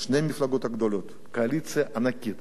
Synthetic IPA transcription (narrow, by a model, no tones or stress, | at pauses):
ʃnemʲiflˠaɡot̪ɐɡd̪olʲot̪ | kɐɐlʲit̪sɨjɐʔɐnakʲit̪